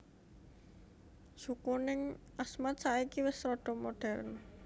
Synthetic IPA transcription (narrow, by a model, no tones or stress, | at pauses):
sukunɪŋ | ʔasmat̪̚saikiwɪsɾɔɖ̥ɔ̤moɖ̥ɛrn